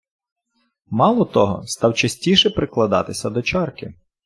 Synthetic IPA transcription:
mɑlˠɔt̪ɔɦɔ̰st̪ɑwt͡ʃɐsʲtʲiʃɛpɾɪklˠɐd̪ɑ̰t̪ɪsʲɐd̪ɔt͡ʃɑrkɪ̰

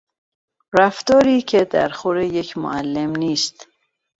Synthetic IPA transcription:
ɾæft̪ɔːɾiːcʰed̪æɾxoɾejekʰmo̰ælːemniːst̪

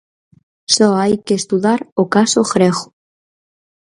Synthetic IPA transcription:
soajkeːst̪uðaɾokasoɣɾeɣo̥

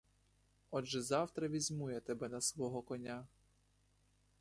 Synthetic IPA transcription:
ɔd͡ʒɛzɑwt̪ɾɐʋʲizʲmujɛt̪ɛbɛnɐsʋɔɦɔkɔnʲa

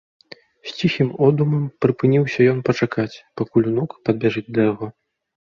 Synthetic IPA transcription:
sʲt͡sʲiximɔd̪umɐmpɾɨpɨnʲiwsʲɐjɔnpɐt͡ʂakat͡sʲpakulʲunukpɐd̪̚bʲɛʐɨt͡sʲd̪ɐjaɣɔ

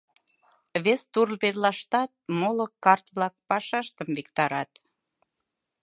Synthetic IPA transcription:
βest̪urlβet̪lɑʃt̪ɑt̪̚molokɑrt̪βlɑk̚pɑʃɑʃt̪əmvikt̪ɑɾɑt̪

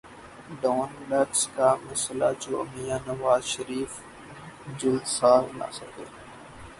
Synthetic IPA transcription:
ɖaːnləʈskaːməslad͡ʒoːmijãːnɐʋaːzʃəɾiːf | d͡ʑʊld̪saːlna̰səɡeː

